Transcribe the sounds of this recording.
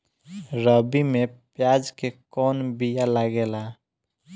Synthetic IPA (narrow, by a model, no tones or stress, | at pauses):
ɾəbimẽpjaːd͡ʒkekɔːnbijalaɡeːla